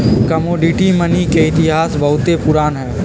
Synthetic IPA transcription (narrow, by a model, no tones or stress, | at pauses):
kəmoːɖiʈimənikeɪt̪ɪɦaːsbɐɦʊt̪epʊɾaːnɦɛː